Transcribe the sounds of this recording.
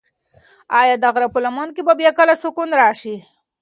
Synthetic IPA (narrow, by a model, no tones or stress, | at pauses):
ɑjɑd̪aɣɾapəlamɑnkebabjɑkəlasʊkunɾɑʃi